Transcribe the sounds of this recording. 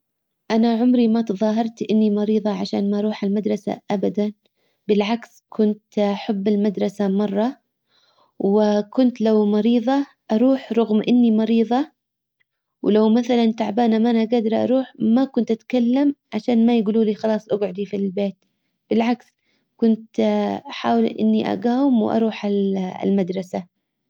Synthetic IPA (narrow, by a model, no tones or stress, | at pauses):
ʔanaʕʊmɾimat̪ðˤɑːɦɑɾˤt̪ʔɪnːimɑɾiːðˤɑʕaʃa̰ːnmaʔɑɾˤuːħalmad̪ɾˤɑsa̰ʔabad̪an | bɪlʕaks | kʰʊnt̪ʔaħabːɪlmad̪ɾˤɑsamɑrˤːɑ | wɪkʊnt̪lawmɑɾiːðˤɑ | ʔɑɾˤuːħɾˤʊɣmʔɪnːimɑɾiːðˤɑ | wlawmaθalant̪aʕbaːnamanaɡaːd̪ɑɾʔɑ̰ɾˤuːħmakʊnt̪ʔat̪kalːamʕaʃaːnmajɪɡuːluːliːxɑlɑːsˤʔaɡʕʊd̪ifilbeːt̪ | b̥ɪlʕaks | kʊnt̪ħaːwlʔɪ̰nːiʔa̰ɡaːwɪmw̰ʔɑ̰ɾˤuːħal̰lmad̪ɾˤɑsa